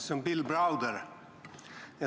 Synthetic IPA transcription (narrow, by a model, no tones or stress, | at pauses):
sɔmbɪlbɾaʊd̪əɾ | ja